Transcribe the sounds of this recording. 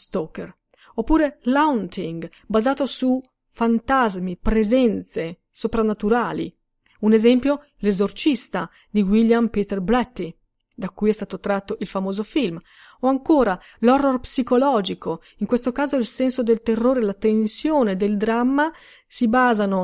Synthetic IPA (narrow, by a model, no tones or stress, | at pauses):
st̪ɔker | opːuːɾelawnt̪iŋɡ | bazaːt̪osu | fant̪azmipɾezɛnt̪se | sopɾanːat̪uɾaːlḭ | unezɛmpjo | lezort͡ʃist̪a | d̪iwiljampit̪erblɛt̪ːi | d̪akːujɛst̪aːt̪ot̪ɾat̪ːoʔilfamoːzofilm | oaŋkoːɾa | lɔrːorpsikolɔːd͡ʒiko | iŋkwest̪okaːzoilsɛnsod̪elt̪erːoːɾelat̪ensjoːned̪eld̪ɾamːa | sibaːzano